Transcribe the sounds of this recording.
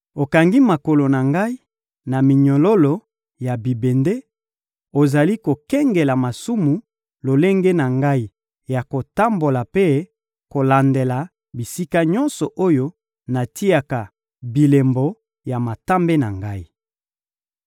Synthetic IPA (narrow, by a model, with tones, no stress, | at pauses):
o˨ka˨ŋɡi˦ma˨ko˨lo˨na˨ŋɡa˦i˦ | na˨mi˨ɲo˨lo˦lo˨ | ja˨bi˨be˨nde˦ | o˨za˨li˦ko˨kɛ˦ŋɡe˨la˨ma˨su˦mu˨ | lo˨le˦ŋɡe˦na˨ŋɡa˦i˦ | ja˨ko˨ta˦mbo˨la˨pe˦ | ko˨la˨nde˨la˨ | bi˨si˦ka˦ɲɔ˦nsɔ˨ʔo˦jo˦ | na˨ti˦a˨ka˨ | bi˨le˨mbo˨˦ | ja˨ma˨ta˦mbe˦na̰˨ŋɡa˦i˦